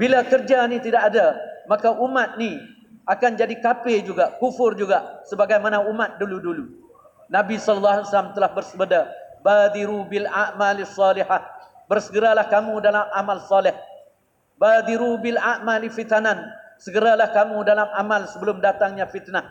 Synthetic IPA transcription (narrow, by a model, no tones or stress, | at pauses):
bilakərd͡ʒanĩt̪idaʔadamakaʔumat̪̚ni | akand͡ʒadikapɪd͡ʒuɡaʔkufʊrd͡ʒuɡaʔsəbaɡajmanaumat̪̚duludulu | nabisɔləlːaɦasalamt̪əlahbərsəbədabad̪iɾubilaʔmalsˤːɑliha | bərsəɡəɾalahkamũdalamamalsɑlɪh | bad̪iɾubɪlaʔmalifit̪anansəɡəɾalahkamũdalamʔamalsəbəlʊmdat̪aŋɲãfit̪na